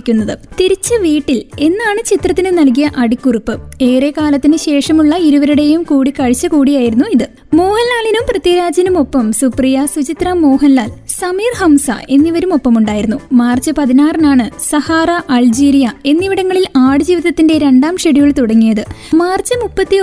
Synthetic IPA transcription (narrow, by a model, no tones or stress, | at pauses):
kʲːunːɐðɨt̪iɾit͡ɕːɐʋiːʈːile̞nːaːɳɨt͡ɕit̪rɐt̪ːinɨnɐlkijɐʔɐɽikːuripːɨe̞ːre̞ːkaːlɐt̪ːinɨɕe̞ːʂɐmuɭːɐiɾuʋɐɾuɽe̞jumkuːɽikːɐɻit͡ɕːɐkuːɽijaːjiɾunːuiðɨ | mo̞ːhɐnlaːɭinumprɐt̪jiɾaːd͡ʑɐnumo̞pːɐmsuprijɐsut͡ɕit̪rɐmo̞ːɦɐnlːaːlsɐmiːrhɐmsɐ̰ʔe̞nːiʋɐɾumo̞pːɐmuɳɖaːjiɾunːumaːrt͡ɕːɨpɐðinaːrɐnaːɳɨsɐhaːrɐʔɐld͡ʑiːɾijɐe̞nːiʋiɽɐŋːɐɭilaːɽɨd͡ʑiːʋiðɐt̪ːindeɾe̞ɳɖaːmʂeɽijuɭt̪uɽɐŋːijɐðɨmaːrt͡ɕːɨmupːɐt̪ːi